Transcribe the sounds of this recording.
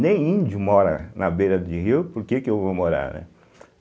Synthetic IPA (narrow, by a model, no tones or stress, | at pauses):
nẽj̃ĩd͡ʒʊmɔɾɐ̰nɐbejɾɐd̪iɦiwpoɾkekɪewvomoɾa̰ɾnɛ̰